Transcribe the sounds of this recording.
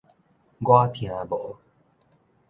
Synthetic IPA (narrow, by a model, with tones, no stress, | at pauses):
ɡwa˥˦t̪ʰĩ˨ã˨bo˨